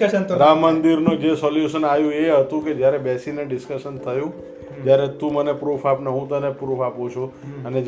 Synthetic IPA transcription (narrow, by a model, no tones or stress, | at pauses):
əʃənt̪ɾamːənd̪iɾnũd͡ʒesɔljuʃənajũeɦət̪ũked͡ʒjaɾebɛsineɖɪskəʃənt̪ʰəjũ | d͡ʒjaɾet̪ũmənepɾupʰapnəɦũt̪ənepɾupʰapũt͡ʃʰoəne